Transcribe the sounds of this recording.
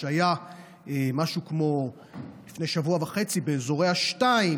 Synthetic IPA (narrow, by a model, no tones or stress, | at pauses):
aja | emaʃukmo̞ | lifne̞jʃavuavaχe̞t͡sibeːzo̞ʁe̞jhaʃtai